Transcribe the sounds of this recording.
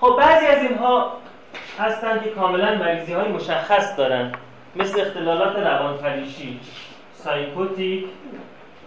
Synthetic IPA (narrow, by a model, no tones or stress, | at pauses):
xob̚bæːziːæziːnɦɒː | hæst̪ænkʰe̞kʰɒːme̞lænmæɾizihɒːjemo̞ʃæxːæsd̪ɒːɾænd̪ | me̞sleːxt̪ʰe̞lɒːlɒːt̪ʰe̞ɾævɒːnfæɾiːʃiː | sɒjpʰot̪ʰikʰ